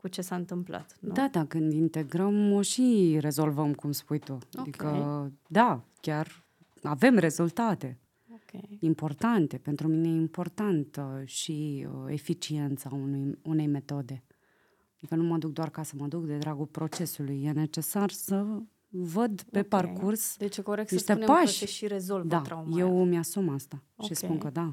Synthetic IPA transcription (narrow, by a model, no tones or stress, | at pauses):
kut͡ʃe̞saɨnt̪ɨmpla̰t̪nd̪at̪akɨnd̪int̪e̞ɡɾəmoʃiɾe̞zo̞lvəmkumspujt̪uaikəd̪akʲar | ave̞mre̞zult̪at̪e̞ | okʲeimpo̞rt̪ant̪e̞pe̞nt̪ɾuminejimpo̞rt̪ant̪ʃiefit͡ʃie̞nt̪saunujune̞jme̞t̪o̞d̪e̞ | d̪ikənumad̪uk̚d̪oarkasəməad̪ukd̪e̞d̪ɾaɡulpɾo̞t͡ʃe̞sulujːe̞ne̞t͡ʃe̞sarsə | vəd̪pe̞parkursd̪et͡ʃekoɾek̪̚niʃt̪enpaʃʃiɾezolvd̪aamjewmʲjasumast̪a | ʃispunkəd̪a